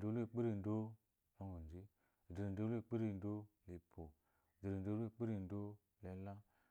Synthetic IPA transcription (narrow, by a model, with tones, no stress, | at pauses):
o˦le˦˨k͡pi˦ɾi˦˨n˨do˦ | lo˦ŋɡu˨n˨d͡ʒi˦˨ | di˨ɾi˨n˨do˦lk͡pi˦ɾi˦˧˨n˦do˦li˨pʰo˨ | di˨ɾi˨n˨do˦le˦˨k͡pi˦ɾi˦˨n˦do˦ | le˨˦la˦